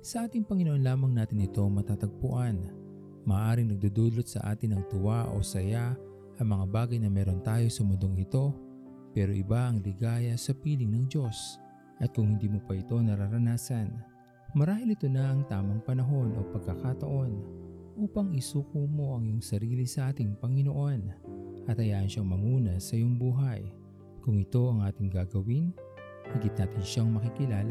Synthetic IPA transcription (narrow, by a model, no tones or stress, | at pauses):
sɐʔaːt̪ɪŋpɐŋɪnoʔo̞nlaːmɐŋnaːt̪ɪnɪt̪o̞ŋmɐt̪aːt̪ɐɡ̚pʊʔan | maːʔaːɾɪŋnɐɡ̚d̪ud̪ulot̪̚sɐ̰ʔa̰ːt̪ɪnɐŋt̪ʊwaʔo̞̰sɐja | ʔɐŋmɐŋabaːɡɐjnɐmɛːɾo̞nt̪aːjo̞sʊmʊnd̪oŋɪt̪o̞ | pɛːɾo̞ʔɪbaʔɐŋlɪɡaːjɐsɐpiːlɪŋnɐŋd͡ʒo̞s | ʔɐt̪̚kʊŋhɪnd̪iːmopɐʔɪt̪o̞nɐɾaɾɐnaːsɐn | mɐɾaːhɪlɪt̪o̞nɐʔɐŋt̪aːmɐŋpɐnɐɦo̞nʔo̞̰pɐɡ̚kɐkat̪ɐʔo̞nʔuːpɐŋɪsuːkumo̞ʔɐŋjoŋsɐɾiːlɪsɐʔaːt̪ɪŋpɐŋɪno̞ʔo̞nʔɐt̪hɐjaːʔɐnʃaŋmɐŋuːnɐsɐjoŋbuːɦɐj | kʊŋɪt̪o̞ɐŋʔaːt̪ɪŋɡaɡɐwin | hiɡɪt̪̚naːt̪ɪnʃaŋmɐkɪkɪlaːlɐ